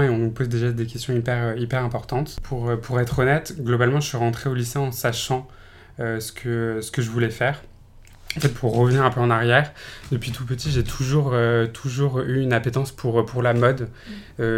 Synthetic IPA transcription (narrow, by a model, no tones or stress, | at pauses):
eɔ̃nupozd̪eʒad̪ekʲɛst̪jɔ̃ipɛʁøipɛʁɛ̃pɔʁt̪ɑ̃t̪pʰuʁøpʰuʁɛt̪χɔnɛt̪ɡlɔbalmɑ̃ʒəsɥiʁɑ̃t̪χeoliseɑ̃saʃɑ̃ | øsə̥kʰəsə̥kəʒəvulɛfɛːʁ | ɑ̃fɛt̪̚pʰuʁːəvəniʁɛ̃pøɑ̃naʁjɛːʁd̪əpɥit̪ʰupət̪iʒet̪ʰuʒuʁøt̪ʰuʒuʁyynapet̪ɑ̃spʰuʁpʰuʁlamɔd̪ø